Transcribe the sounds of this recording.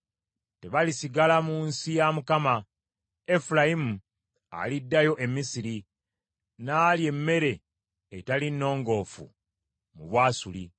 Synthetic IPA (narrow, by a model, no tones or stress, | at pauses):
te̞βalisiɡalamunsijamukama | e̞fulaimu | a̰lidːajo̞ʔe̞mːisiɾi | naːlje̞mːe̞ɾe̞ː | talinːo̞ːŋɡo̞ːfṵ | muβwaːsulḭ